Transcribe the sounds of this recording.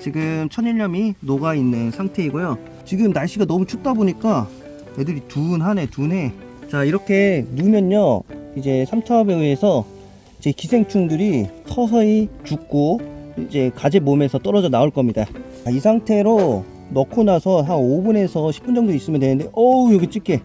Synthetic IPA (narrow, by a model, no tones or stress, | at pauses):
t͡ɕiɡɯmt͡ɕʰʌnɲiɭɲʌminoɡainːɯnsʰaŋtʰe̞iɡojo | t͡ɕiɡɯmnaɭɕ͈iɡanʌmut͡ɕʰuk̚t͈aboɲik͈a | jedɯɾitunɦane̞tunɦe̞ | t͡ɕaiɾʌkʰe̞numjʌɲːʌid͡ʑe̞sʰamt͡ɕʰaʌbeeesʰʌ | it͡ɕe̞kisʰe̞ŋt͡ɕʰuŋduɾisʰʌs̬ʰʌit͡ɕuk̚k͈oid͡ʑe̞kad͡ʑemomjʌnsʰʌt͈ʌɾʌd͡ʑʌnaoɭk͈ʌmɲida | isʰaŋtʰe̞ɾo | nʌkʰonasʰʌɦaobune̞sʰʌɕʰip͈und͡ʑʌŋdois͈ɯmjʌndwenɯnde̞ʔʌjoɡet͡ɕ͈ik͈ʰe̞